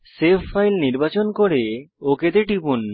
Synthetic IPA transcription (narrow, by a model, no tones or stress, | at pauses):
sepːajlniɾbat͡ɕonkoɾeoket̪eʈipun